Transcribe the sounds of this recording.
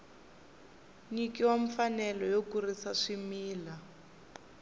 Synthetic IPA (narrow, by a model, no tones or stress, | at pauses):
ɲikiwaɱfanɛlɔjokurisaʂimiːla